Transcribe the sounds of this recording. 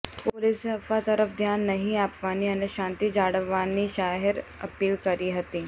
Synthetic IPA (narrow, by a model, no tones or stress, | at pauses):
polɪsɐfat̪ɐɾəfd̪ʱjaːnːɐɦĩaːpʋaːniɐnəʃãːnt̪id͡ʒaːɽəʋaːniʃaːɦɪɾɐ̰piːlkɐɾiɦɐt̪iː